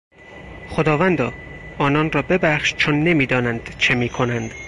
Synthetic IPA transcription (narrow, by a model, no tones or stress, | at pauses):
χod̪ɒːvænd̪ɒːɒːnɒnrɒːbe̞bæχʃt͡ʃʰonːe̞miːd̪ɒːnænd̪̥t͡ʃʰe̞miːkʰo̞nænd̪̥